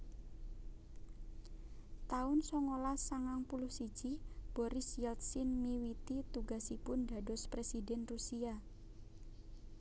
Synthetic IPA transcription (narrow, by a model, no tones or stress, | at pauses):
t̪aʊnsɔŋolasaŋaŋpulʊhsi̥ʒ̥ib̥ɔɾɪsjɛlt̪sɪnmiwit̪it̪uɡasipʊnd̪a̤dɔspɾesidɛnrusia